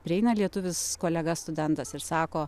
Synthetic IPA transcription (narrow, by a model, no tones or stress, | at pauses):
pʲɾʲɪɛɪnɐlʲiɛt̪ʊʋʲɪskoːlʲɛɡɐsst̪ʊd̪ʲɛnt̪ɐsɪɾsɑːkoː